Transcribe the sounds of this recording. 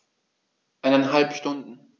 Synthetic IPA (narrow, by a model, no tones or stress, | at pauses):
ʔaɪnɛnɦalpʃtʊndn̩